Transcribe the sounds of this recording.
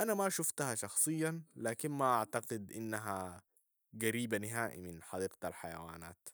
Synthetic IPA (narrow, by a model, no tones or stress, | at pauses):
ʔanamaʃuft̪ahaʃɑxsˤɨjːalaːkinmaʔaʕt̪ɑqɪd̪ʔinːaɦa | ɡaɾiːbanɪɦaːʔḭmɪnħɑd̪iːqt̪alħaja̰wa̰ːna̰ːt̪